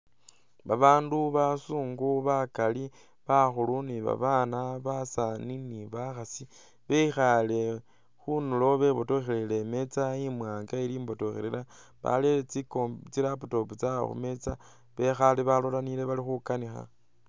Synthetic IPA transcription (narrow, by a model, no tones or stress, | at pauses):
βaβaːnduβasuːŋɡuβakali | βaxuluniβa̰βaːnaβasaniniβaxasi | βeixale | xunulo̞βe̞βotoxelele̞me̞t͡saimwaːŋɡaeliːmbo̞toxeɾela | βa̰let͡sikot͡siɾaputo̞put͡sao̰xṵme̞t͡sa | βe̞xaliβalolanile̞βalixukanixa̰